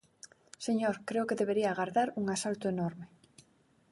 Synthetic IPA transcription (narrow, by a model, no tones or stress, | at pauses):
seɲoɾkɾeʊkeðeβeɾiaːɣaɾðaɾuŋasalt̪ʊenɔɾmɪ